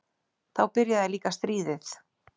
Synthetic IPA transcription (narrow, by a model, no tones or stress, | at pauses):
θawpɪɾjaðɛliːkast̪ɾiːðɪθ